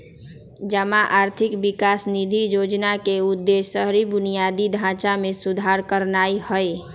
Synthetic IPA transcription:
d͡ʒəmaʔaɾt̪ʰikbikasnid̪ʱijod͡ʒnakeud̪ːesəɦɾibʊnijad̪id̪ʱãt͡ʃamesud̪ʱaɾkəɾnaihəe

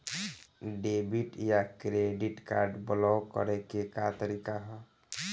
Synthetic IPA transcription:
ɖebiʈjakɾeɖiʈka̰ɾɖblɔkɔ̰ɾekekat̪əɾikaɦɔ

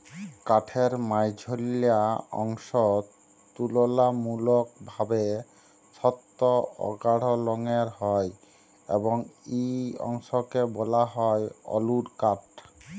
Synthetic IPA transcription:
kaʈʰeɾmajd͡ʑʱolijaɔ̰ŋʃɔ | t̪ulolamulok̚bʱabe | ʃɔt̪ːoɔ̰ɡaɽ̤olɔŋeɾɦɔj | ḛboŋeɔ̰ŋʃokebɔlaɦɔeɔ̰luɾkaʈ

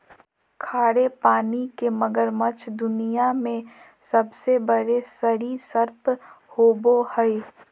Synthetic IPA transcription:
kʰaːɽepaːnikeməɡəɾmət͡ʃʰd̪ʊnijamẽ | sɐbsebəɾesəɾisəɾphoːbohəi

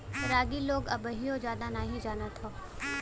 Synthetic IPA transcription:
ɾaːɡiloːɡɐbəɦiod͡ʒjaːd̪anaːɦid͡ʒaːnət̪ʰoː

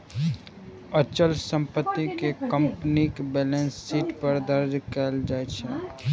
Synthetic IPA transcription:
ət͡ʃəlsə̃mpət̪ːikekə̃mpnikbɛːlẽnsːiːʈpəɾd̪əɾd͡ʒkɛld͡ʒaːet͡ʃʰɛ

